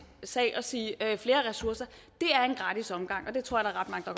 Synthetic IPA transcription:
sɛ̰ɪ̰ʔɒ̽siːfle̝ːɐʁɛsuɐ̰sɐ | d̥e̝æɐe̝nɡ̥ʁɑ̈ːd̥isɒ̽mɡ̥ɑ̈ŋ̰ʔɒ̽d̥e̝t͡sʰo̝ɐjɐdɑ̈ːʁɑ̈d̥mɑ̈ŋəd̥ɑ̈ɡ̥

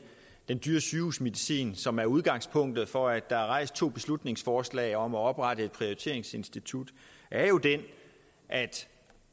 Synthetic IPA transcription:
d̥end̥yːɐsyːṵːsme̝ðˠisḭːnsɒ̽mæɐuð̞ˠɡ̥ɑ̈ŋ̰spʰɔ̽ŋ̰d̥ð̩ˠfɒ̽æd̥ːɑ̈ɑʁɑ̈ɪ̰sd̥̚t͡sʰo̝̰ːb̥e̝slud̥ne̝ŋsfɒːslɛ̰ɪɒ̽mɒɒ̽b̥ʁɑ̈d̥əe̝d̥̚pʰʁio̝ʁit͡sʰe̝̰ɐeŋse̝nsd̥it͡sʰud̥ʔæɐjo̝d̥en | ʔæd̥

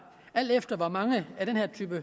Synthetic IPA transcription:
æl̰d̥efd̥ɐʋɑ̈mɑ̈ŋəæɾ̥enhæɐt͡sʰy̰ːb̥ə

